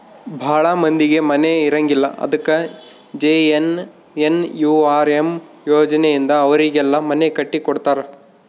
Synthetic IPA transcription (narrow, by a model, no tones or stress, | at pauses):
bʱaːɭɐmɐnd̪iɡe̞mɐneiɾɐŋɡilːɐ̰ʔɐ̰d̪ɐkːɐ | d͡ʒeːen | enjuːaːɾem | joːd͡ʒɐnejind̪ɐːʋɐɾiɡɛlːɐmɐnekɐʈːikɔɽt̪aːɾe